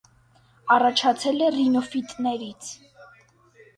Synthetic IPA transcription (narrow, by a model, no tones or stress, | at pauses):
ɑrɑt͡ʃʰɑt͡sʰɛlɛrinɔfit̪ʼnɛɾit͡sʰ